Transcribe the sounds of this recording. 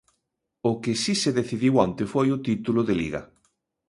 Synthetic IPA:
ʊkɪsiseðeθiðiwant̪ɪfojʊt̪it̪ulʊðelḭɣɐ̰

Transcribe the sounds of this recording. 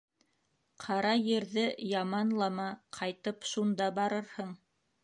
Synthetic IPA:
qʰɑɾɑjɘ̆ɾðɘjɑmɑnlˠɑmɑqʰɑjt̪ɤpʃund̪ɑbɑɾɤɾhɤɴ

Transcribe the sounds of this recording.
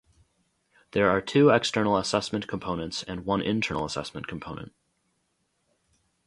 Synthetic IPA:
ðə˞ːtʰʉɛkstɜ̃˞nl̩ˠəsɛsmɨ̃nkʰm̩pʰõʊ̃nə̃ntsɨ̃nwʌ̃nʔɪ̰̃ntʰɜ̰̃˞nl̩ˠəsɛ̰smɨ̃nkʰm̩pʰõʊ̃nə̰̃nt̚

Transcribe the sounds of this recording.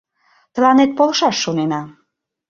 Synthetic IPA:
t̪lɑnet̪̚polʃɑʃːonenɑ

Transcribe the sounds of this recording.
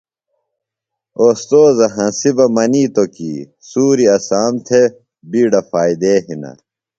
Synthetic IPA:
oːst̪oːzɐɦɐ̃sibɐmɐniːt̪oki | suːɾiɐsaːmt̪ʰe | biːɖɐfaːid̪eːɦinɐ̰

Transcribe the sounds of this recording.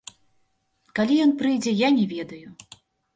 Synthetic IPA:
kalʲijɔnpɾɨjd͡zʲɛjanʲɛvʲɛd̪ɐju

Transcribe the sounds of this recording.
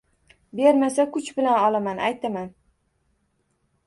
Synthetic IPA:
be̞ɾmasakʰʊt͡ʃbɪlanɒlˠamanajt̪ʰaman

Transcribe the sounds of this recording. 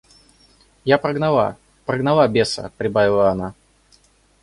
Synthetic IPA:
japɾəɡnɐlˠa̰ | pɾəɡnɐlˠabʲesə̰pɾʲɪbavʲɪlˠəɐna

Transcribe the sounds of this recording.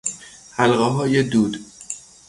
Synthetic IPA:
hælɢeɦɒːjed̪uːd̪̥

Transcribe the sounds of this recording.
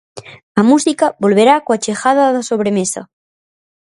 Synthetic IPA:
ɐmusikabolβeɾakoat͡ʃexaðaðasoβ̞ɾemesɐ̰

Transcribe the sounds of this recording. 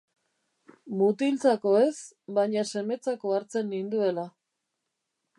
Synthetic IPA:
mut̪ilt͡sako̞e̞s | baɲase̞me̞t͡sako̞aɾt͡se̞nːind̪ue̞la

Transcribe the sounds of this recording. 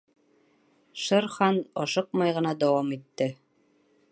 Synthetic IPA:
ʃɤɾχɑnɒʃɤq̚mɑjʁɤ̆nɑd̪ɑwɑmit̪ːɘ

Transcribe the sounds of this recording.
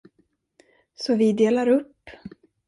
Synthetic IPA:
sɔvɪd̪eːlaɾɵpː

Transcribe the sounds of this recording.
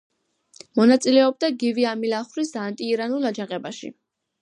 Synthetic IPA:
mɔnat̪sʼilɛɔb̚d̪aɡiviamilaχɾisant̪ʼiːɾanulˠad͡ʒaʁʼɛbaʃḭ

